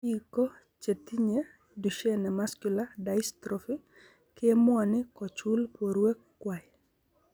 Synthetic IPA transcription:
iko˦ | t͡ʃe˨ti˦ɲe | du˨ʃe˦nɛ˨maskuladaistɾɔfi˦ | ke˦mʊ˦a˨nɪkɔ˨t͡ʃu˦lpoɾwe˦kːwa˨j

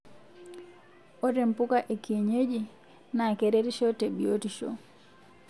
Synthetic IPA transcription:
o˦te˨mpu˦ka˦ʔe˨ki˨e˨ɲe˦d͡ʒi˨ | na˨ke˨ɾe˦ɾi˦ʃo˦te˨bi˨o˦ti˨ʃo̰˦

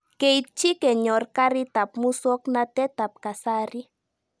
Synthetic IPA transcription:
ke˨jt̪̚t͡ʃi˦ke˨ɲo˨ɾkaɾi˦t̪a˨p̚mu˦so˦kna˧t̪e˦t̪a˨p̚ka˨saɾi˦

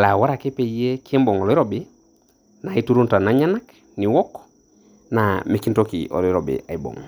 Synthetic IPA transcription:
la˨wa˦ɾa˨ke˦pe˨ijje˦ki˦e˦mbɔ˨ŋɔ˨lɔ˦i˦ɾo˦bi˦ | na˨i˦tu˦ɾu˦nta˨na˨˦ɲa˦na˦k | ni˨wɔ˦k | na˨me˨ki˦nto˦kḭ˨ʔɔ̰˨li˦ɾɔ˨bḛ˨a̰˨i˦bo̰˨ŋ

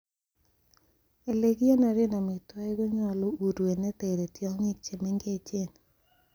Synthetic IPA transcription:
e˨le˨ɡi˦e˦na˨ɾe˦na˨mɪ˨twa˦i˦ɣo˦ɲa˦˨lo˦u˨ɾwe˨ne˦te˨ɾe˨tjɔ˦ŋi˦k̚t͡ʃe˨me˦ŋɡe˦t͡ʃe˦n

